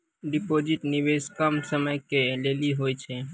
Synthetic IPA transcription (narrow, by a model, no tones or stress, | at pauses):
ɖipod͡ʒɪʈniʋeskəmsəməjkeleliɦojt͡ʃʰe